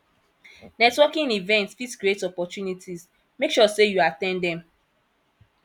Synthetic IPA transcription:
nɛtwɔkĩŋivɛ̃ntsfitsɡɹetɔpɔtjunitʰiz | mekʃɔsejuatɛ̃nddɛ̃m

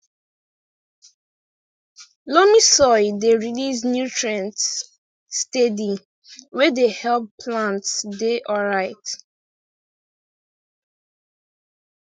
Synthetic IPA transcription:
lomisɔɪdeɹilisnjutɹãntː | tedi | wɛdehɛlppʰlãntsdeʔɔɹaɪt

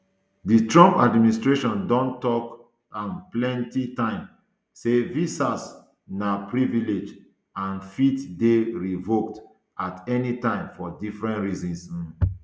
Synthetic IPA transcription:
ditɹɔ̃mpadministɹeʃɔ̃ndɔ̃ntɔk | ãnplɛ̃ntitãɪ̃m | sevisas | napɹiviled͡ʒ | ãnfitdeɹivok̚t | atɛnitãɪ̃mfɔdifɹɛ̃ntɹizĩns̩

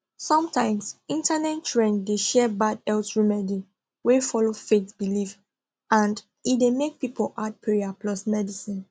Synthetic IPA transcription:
sɔ̃mtãɪ̃msĩntanɛtt͡ʃɹẽndeʃɛbadɛltɹimɛdi | wefɔlofetbiliv | ãnd | idemek̚pipolʔad̚pʰɹiiaplɔsmɛdisĩn

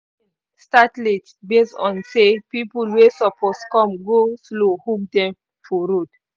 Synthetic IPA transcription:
statlit | besɔ̃nsepipulwesɔpʰɔskɔ̃mɡoslohukdɛ̃m | fɔɾod

